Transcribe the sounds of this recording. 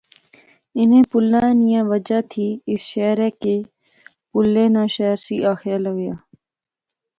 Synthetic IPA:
ɪnẽːpʊlːãːẽːnijãːʋəd͡ʒaːt̪ʰiːɪsʃɛːɾɛːkeː | pʊlːẽːnãːʃɛːɾsiːʔaːxɪjaːləɡjaː

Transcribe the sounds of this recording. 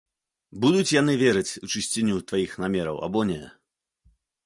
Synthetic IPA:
bud̪ut͡sʲjanɨvʲɛɾɨt͡sʲut͡ʂɨsʲt͡sʲinʲut̪vajixnamʲɛɾɐ̰wa̰bɔnʲɛ

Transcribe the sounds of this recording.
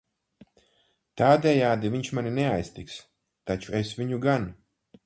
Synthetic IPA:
t̪aːd̪ʲɛjaːd̪iviɲt͡ʃmanʲinɛajst̪iks | t̪at͡ʃuesvʲiɲuɡan

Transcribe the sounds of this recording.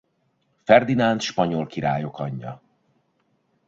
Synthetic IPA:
fɛrd̪inant̪ʃpɒɲo̞lkiɾa̰ːjo̞kɒɲːɒ̰

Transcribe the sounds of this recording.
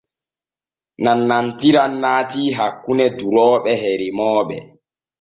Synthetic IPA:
nanːantiɾanːaːtiːɦakːunɛduɾɔːɓɛɦeɾimɔːɓɛ̰

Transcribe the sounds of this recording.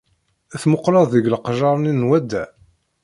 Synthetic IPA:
æθmoqlɑðˤːəɡlqʒɑɾˤninːwæd̪ːæ

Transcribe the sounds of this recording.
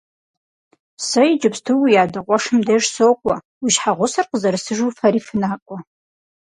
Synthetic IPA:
sɐjɪd͡ʒɨpstʰɨwijaːdɐqʷɔʂɨmdɐʒsoːkʷʼɔ | wiʃħaʁʷʊsɐrqəzɐɾɨsɨʒuːfɐɾiːfɨnaːqʷʼɔ

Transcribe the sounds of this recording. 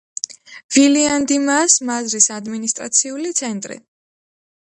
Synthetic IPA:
viliand̪imasmazɾisad̪minist̪ʼɾa̰t̪sʰiulit̪sʰɛnt̪ʼɾḭ

